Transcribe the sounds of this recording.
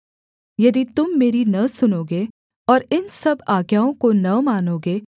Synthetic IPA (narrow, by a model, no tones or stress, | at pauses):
jɐd̪it̪ʊmːeːɾinɐsʊnoːɡeː | ɔːɾɪnsɐbaːɡjaːõkonɐmaːnoːɡeː